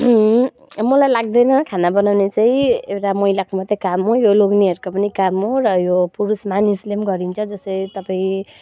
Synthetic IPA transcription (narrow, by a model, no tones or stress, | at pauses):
ɦ | mʌlajlaɡ̚d̪ʌjnʌkʰanabʌnawnet͡saĩewʈamʌilakomat̪ːekamɦojoloɡniʌɾukopʌnikamɦorʌjopuɾusmanislemɡʌɾint͡sʰʌd͡zʌsʌjt̪ʌpaĩ